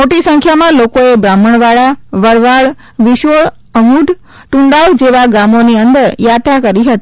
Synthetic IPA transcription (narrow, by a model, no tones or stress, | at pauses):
moʈisə̃ŋkʰjamãlokoebɾaməɳʋaɭaʋəɾʋaɭ | ʋiʃoɭ | əmuɖʱ | ʈũɳɖald͡ʒeʋaɡamoniənd̪əɾjat̪akəɾiɦət̪i